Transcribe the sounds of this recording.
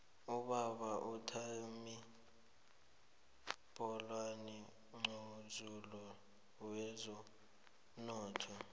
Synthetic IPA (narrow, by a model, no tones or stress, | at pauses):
uɓaɓaʔutʰaomi | pʼɔlwanɛ | ŋ͡ǀozulɔ | wɛzɔ | nɔːtʰɔ